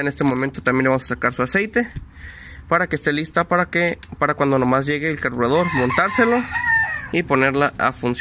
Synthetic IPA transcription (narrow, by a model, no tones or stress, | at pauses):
enest̪e̞moment̪o̞t̪ambjeleamosasakaɾsuase̞jt̪e̞ | paɾake̞st̪e̞list̪apaakepaɾakwand̪ono̞mazʝe̞ɣeːlkaɾβuɾaðo̞ɾmo̞nt̪aɾse̞lo̞ | ipo̞ne̞ɾlaʔa̰funs